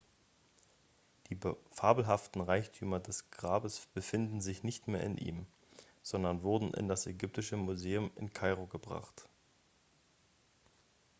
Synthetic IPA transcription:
d̥iːfaːbl̩ɦaftn̩ʁaɪçtʰyːmɐdɛsɡ̥ʁaːbəsb̥əfɪndn̩zɪçnɪçtmeːɐɪ̰nʔḭːm | z̥ɔndɐnvʊɐdn̩ʔɪ̰ndasɛɡʏp̚tɪʃəmuzeːʊmɪ̰nkʰaɪʁoɡəbʁa̰χt

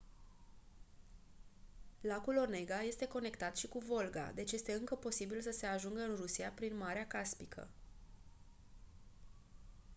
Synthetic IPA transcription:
lakulo̞rne̞ɡaje̞st̪e̞ko̞ne̞kt̪at̪ʃikuvo̞lɡa̰d̪e̞t͡ʃje̞st̪e̞ɨŋkəpo̞sibilsəse̞aʒuŋɡəɨnrusiapɾinmaɾeakaspikʰə̰

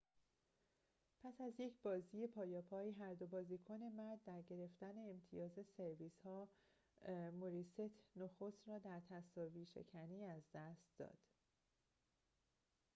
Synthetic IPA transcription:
pʰæsæzje̞cʰb̥ɒːziːje̞pʰɒːjɒːpʰɒːjiɦæɾd̪o̞bɒːziːkʰone̞mæɾd̪ːæɾɟe̞ɾe̞ft̪æne̞ːmt̪ʰijɒːze̞se̞ɾviːshɒː | moɾiːset̪ʰnoxost̪rɒːd̪æɾt̪ʰæsɒːviːʃe̞̰cʰæniːæzd̪æst̪̚d̪ɒ̰ːd̪̥

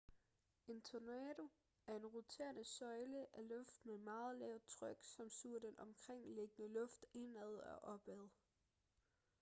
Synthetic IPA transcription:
e̝nt͡sʰonɛɾo̝ | æɐe̝nʁot͡sʰe̝̰ːɐnəsɒ̽ɪləʔælɔ̽fd̥memɑ̈ːð̞̩ˠlɛʊt͡sʰʁœɡ̥sɒ̽msuɐd̥enɒ̽mkʰʁeŋ̰le̝ɡ̥ənəlɔ̽fd̥e̝næð̞̩ˠɒʔɒ̽b̥ɛð̞ˠ

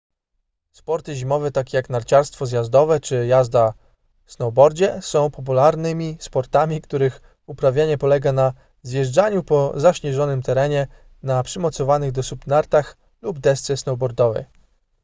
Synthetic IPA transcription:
spɔɾt̪ɘʑimɔvɛt̪akʲjaknaɾt͡ɕaɾst̪fɔzjazd̪ɔvɛt͡ʂɘjazd̪a | snɔwbɔɾd͡ʑɛsɔ̃w̃pɔp̬ulaɾnɘmʲispɔɾt̪amʲikt̪uɾɘx | upɾavʲjaɲɛpɔlɛɡana | zjɛʐd͡ʐaɲupɔzaɕɲɛʐɔnɘmt̪ɛɾɛɲɛ | napʂɘmɔt̪sɔvanɘɣd̪ɔsupnaɾt̪ax | lubd̪ɛst̪sɛsnɔwbɔɾd̪ɔvɛ̰

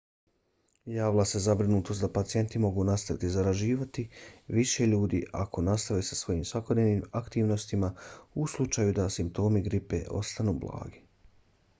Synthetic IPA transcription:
jaːʋlase̞zabɾinuːt̪ost̪d̪apat̪sije̞nt̪imo̞ɡunast̪aʋit̪izaɾaʒiːʋat̪iʋiʃe̞ʎuːd̪ḭʔa̰kʰo̞nast̪aʋisḁsʋo̞jiːmsʋako̞d̪ne̞ʋnimakt̪iːʋno̞st̪imauslˠut͡ʃajud̪asimp̚t̪o̞ːmiɡɾipe̞̰ʔo̞̰st̪anuːblˠa̰ːɡi

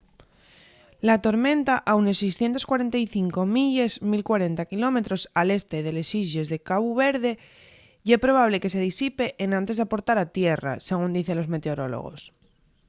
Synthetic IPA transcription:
lat̪oɾmẽ̞nt̪aʔawnesejsθje̞nt̪o̞skwaɾent̪ajθiŋko̞miʎezmilkwaɾe̞nt̪akilo̞me̞t̪ɾo̞sale̞st̪e̞ð̞e̞lesiʝe̞zðe̞kaβuβe̞ɾðe̞ | ʝepɾo̞β̞aβ̞le̞ke̞se̞ðisipe̞ʔːnãnt̪e̞zðapo̞ɾt̪aɾat̪je̞ra̰se̞ɣ̞und̪iθe̞nlo̞zme̞t̪eo̞ɾo̞̰lo̞̰ɣ̞o̞̰s

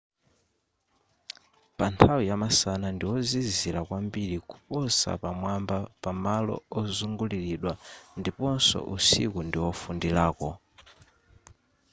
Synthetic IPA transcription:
pantʰawijamasanandiwɔziziɾakwambiɾiku̥pɔsa̰pamwambapamalɔ̰ɔzuŋɡuliɾiɗwandipɔnsɔ̰ʔusḭkundiwɔfundilaːkɔ

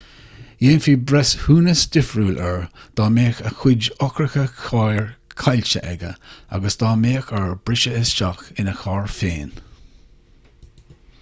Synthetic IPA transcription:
jeːnfiːbɾɛshuːnəsdɪfɹuːlʔɛɹd̪̥ɑːmeːxəxɪd͡ʒɔkɾəxəkʰajəɹkʰalʲt͡ʃə̰ʔɛɡə̰a̰ɡəsd̪̥ɑːmeːxəɹbɾɪʃəɪsʃakɪnəxɑːɹfeːn

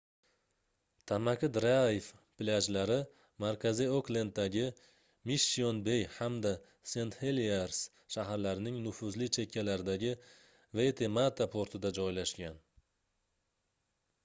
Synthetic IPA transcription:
t̪ʰamakʲʰɪd̪ɾafpɪlʲad͡ʒlaɾɪ | maɾkʲʰazioklend̪̚d̪ːaɡʲɪ | miʃionbe̞jhamd̪a | se̞nt̪heliaɾs | ʃaɦaɾlaɾɪnɪŋnʊfʊzlɪt͡ʃʰe̞kʲʰːalaɾɪd̪aɡʲɪ | ve̞t̪ʰe̞mat̪ʰapʰoɾt̪ʰɪd̪ad͡ʒɒjlaʃkʲan

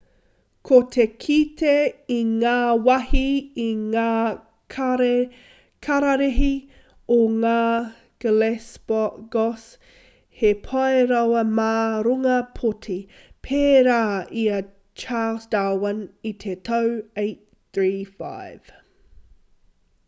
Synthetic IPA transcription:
kʰot̪ʰekʰitʰeiŋaːwɐhiiŋaː | ɾ | kʰɐɾɐɾeɦi | oŋaː | ɡ̥əlesbɔɡ̥ɔs | hepʰɐeɾɐwɐmaːɾuŋɐpʰotʰi | pʰeːɾaːiɐ | t͡ʃaːlsdawɐnitʰetʰɐwejt̚ | θɹiːfa̰ɪv̥

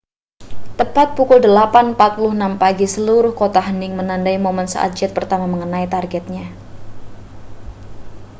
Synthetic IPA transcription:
t̪əpat̪̚pukʊldəlapanpat̪̚pulʊhənampaɡisəluɾʊhkot̪aɦənɪŋmənandaimomənsəʔa̰t̪̚d͡ʒɛt̪̚pərt̪amaməŋənait̪arɡɛt̪̚ɲa

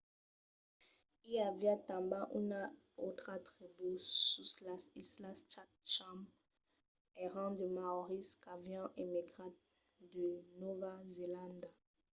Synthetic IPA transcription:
iavjatãmbaʔuna | ot̪χat̪ʁibususlasislast͡ʃatt͡ʃam | ɛʁɑ̃d̪əmaɔʁiskavjɑ̃ʔemiɡʁat̪̚ | d̪ənovazelãnd̪a

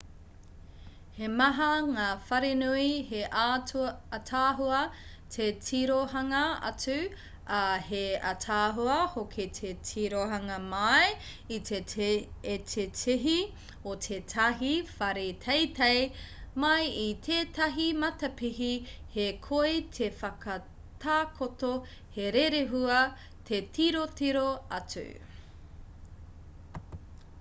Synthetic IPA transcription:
hemɐɦɐŋaːfɐɾenuiheʔaːtʰuːtʰaːɦuɐ | tʰetʰiɾoɦɐŋɐɐ̰t͡sʉ | ɐheɐtʰaːɦuɐhokʰetʰetʰiɾoɦɐŋɐmɐj | ite | etʰetʰiɦi | ot̪ʰetʰɐɦifɐɾetʰejtejmɐjit̪ʰeːtɐɦimɐtɐpiɦihekʰoetʰefɐkʰɐ | tʰaːkʰoto | heɾeɾeɦuɐ | t̪ʰetʰiɾotiɾoɐtʉ̰

